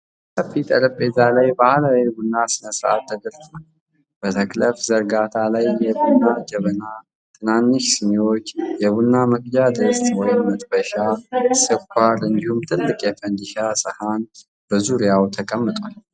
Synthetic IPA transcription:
səfit̪ʼəɾəpʼːezalajbahlawibunːasɨnəsɾa̰t̪ːəd̪əɾtnə | b̥ət̪ʰəkləfzəɾɡat̪ʰalajːɛbunːad͡ʒəβəna | t̪ʰɨnanːɨʃsɨmewo̞t͡ʃːjɛβunːaməkʼjad̪əst̪ʼwɔjmɨt̪ʼbəʃasɨkʷʰːaɾɨnd̪ihumt̪ʰɨlːɨkʼjɛfənd̪iʃasɨhan | b̥əzuɾijawt̪ʰəkʼəmːɨt̪ʼwal

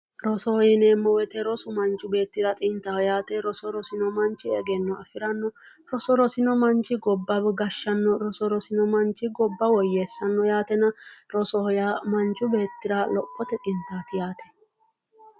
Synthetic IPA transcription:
ɾɔsɔhɔjɪneːmːɔwɛt̪ɛɾɔsʊmɐnt͡ʃʼːʊbe̞ːt̪ːɪɾɐt̪ʼɪnt̪ajaːt̪ɛɾɔsɔɾɔsɪnɔmɐnt͡ʃːɪɛɡɛnːɔɐfɪɾɐnːɔ | ɾɔsɔɾɔsɪnɔmɐnt͡ʃɪɡɔbːɐbɛɡɐʃːɐnːɔɾɔsɔɾɔsɪnɔmɐnt͡ʃːɪɡɔbːɐwɔjːeːsːɐnːɔjaːt̪ɛnɐɾɔsɔhɔjamɐnt͡ʃʼːʊbe̞ːt̪ːɪɾɐlɔkʼːɔt̪ɛt̪ʼɪnt̪ːaːt̪ɪjaːt̪ɛ̥

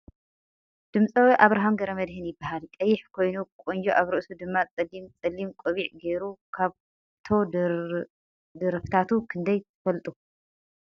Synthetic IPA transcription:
d̪̥ɨmt͡sʼɐwiʔaβɾaɦamɡɐɾɐmɐd̪hɨnjɪbːahalkʼɐjːɪħkʰo̞jnukʼond͡ʒoʔaβɾɨʔsud̪ɨmːat͡sʼɨlimt͡sʼɐlːimkʼoβiʕɡe̞ɾukʰaβ | t̪ʰo̞ | d̪ɨɾɐft̪ʰat̪ukʰɨnd̪ɐjt̪ʰɨfɐlt̪ʼu

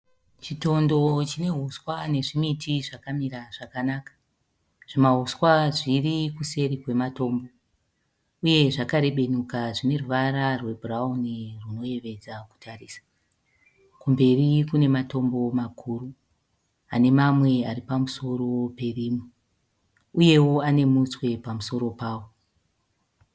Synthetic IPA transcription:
t͡ʃito̞ndo̞t͡ʃine̞ɦuswane̞ʐimitʰiʐakamiɾaʐ̥akanakḁ | ʐ̥imaɦuswaʐirikuse̞ɾikwe̞mato̞ːmbo̞ | uje̞ʐakaɾe̞ɓe̞nukaʐine̞ruʋaɾarwe̞burauniruno̞je̞ʋe̞d͡zaku̥tʰariːsḁ | kumbe̞rikune̞mato̞mbo̞makʰuru | a̰ne̞mamwe̞aripamuso̞ɾo̞pe̞riːmi | uje̞wo̞ane̞muswe̞pamuso̞ɾo̞paːwo

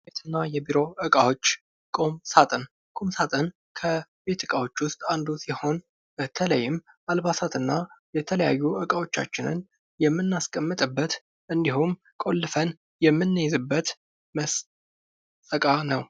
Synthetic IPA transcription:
bet̪ʰɨnːajɛbiɾo̞ʔɨkʼawot͡ʃː | kʼo̞msat̪ʼən | kʼomsat̪ʼən | kʰəbe̞t̪ɨkʼawo̞t͡ʃːwʊst̪ʼand̪usiho̞n | bət̪ʰələjːɪm | ʔalβasat̪ɨnːajɛt̪ʰələja̰jːuʔɨkʼawo̞t͡ʃːa̰t͡ʃːɪnɨ̰n | jɛmːɨnːaskʼəmːɨt̪ʼɨbːət̪ | ʔɨnd̪ihum | kʼo̞lːɨfən | jɛmːɨnːəjzɨbːət̪ | məsʼ | əkʼanəw

